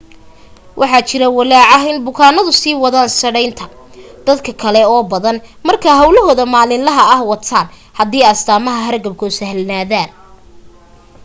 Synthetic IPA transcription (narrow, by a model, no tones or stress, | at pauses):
wʔɑħɑt͡ʃɪɾɐwɐlɛːʕɑɦɪnbʊkʰaːnɐðʊsiːwɑðaːnsɐɽɛjnt̪ʰɐ | d̪̥ɐd̪kʰɐkʰɐlɛɔːbɐðɐnmɐrkʰaːɦɐwlɐɦɔːðɐmaːlɪnlɐɦɐɐhwɑt̪ʰaːn | hɐðiːɐst̪aːmɐɦɐɦɐrɡɐb̚kʰʊsɐhlnaːðaːn